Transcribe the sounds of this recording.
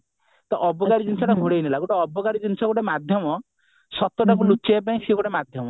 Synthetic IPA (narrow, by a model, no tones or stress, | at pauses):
t̪ɔʔɔbɔɡaɾid͡ʒinsʰɔʈaɡʱuɽejnilaɡoʈaɔbɔɡaɾid͡ʒinsʰɔɡoʈemad̪ʱjɔmɔ | sɔt̪ɔʈakulut͡ʃejp̬aĩsiɡoɽemad̪ʱjɔmɔ